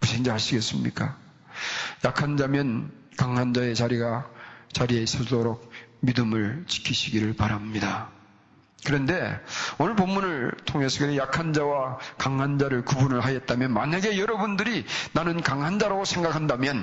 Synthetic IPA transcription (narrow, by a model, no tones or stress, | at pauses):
usʰend͡ʑaɦaɕʰiɡe̞ts͈ɯmɲḭk͈a | jakʰand͡ʑamjʌn | kaŋɦand͡ʑae̞t͡ɕaɾiɡat͡ɕaɾie̞sʰʌdoɾok̚midɯmɯɭt͡ɕi̥kʰiɕʰiɡiɾɯɭpaɾamɲida | kɯɾʌnde̞onɯɭpomːunɯɭtʰoŋe̞sʰʌɡeejakʰand͡ʑawakaŋɦand͡ʑaɾɯɭkubunɯɭɦajʌt̚t͈amjʌnmaɲaɡe̞jʌɾʌbundɯɾinanɯnkaŋɦand͡ʑaɾoɡsʰe̞ŋɡakʰandamjʌn